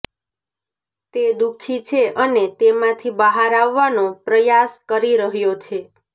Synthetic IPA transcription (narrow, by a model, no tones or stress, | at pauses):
t̪ed̪ukʰit͡ʃʰeʔənet̪emãt̪ʰibəɦaɾaʋːanopɾəjaskəɾiɾəɦjot͡ʃʰe